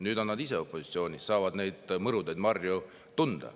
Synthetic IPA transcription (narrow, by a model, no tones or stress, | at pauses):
nyːd̪o̞nːɑd̪ise̞o̞pːˑo̞si̥t̪sio̞ːnʲisɑːvɑd̪ne̞jd̪̥mɤɾud̪ejd̪mɑrju | t̪und̪̥ɑ̰